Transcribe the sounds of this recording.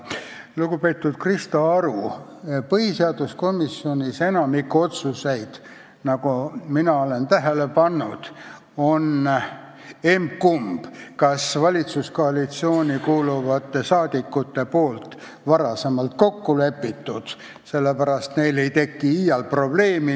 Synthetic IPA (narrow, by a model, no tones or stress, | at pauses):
luɡ̥upe̞ːt̪ːˑud̪̥krist̪oɑɾupɤɦiseɑd̪̥usko̞misːio̞nʲise̞nɑmikːuo̞t̪suse̞jd̪̥ | nɑɡuminɑole̞nt̪æɦele̞pɑnːud̪̥ | o̞n | emkumb̥kɑsvɑlʲit̪susko̞ɑlit̪sio̞ːnʲikuːluvɑt̪ːˑe̞sɑːd̪̥ikːut̪ːe̞poːlt̪ | vɑɾɑse̞mɑlt̪ko̞kːule̞pːˑit̪ːud̪̥ | se̞lːepæɾɑst̪ne̞jle̞jt̪e̞kːiijɑlpro̞b̥le̞ːmi